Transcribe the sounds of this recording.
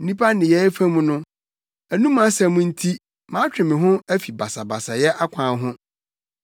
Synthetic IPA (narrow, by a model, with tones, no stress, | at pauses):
n̩˦nĩ˦pʰa˦nɪ̃˨jɛ˦fæ̃˦mũ˦nʊ̃˦ | æ˨nũ˦mã˨˦sɛ˨mũ˦n̩˦tʰi˦ | mãː˨˦t͡ɕᶣɪ̃˨mɪ̃˨ɦʊ̃˦æ˦fi˨ba˨sa˨ba˨sa˨jɛ˦ʔa˦kʷʰãː˨ɦʊ̃˦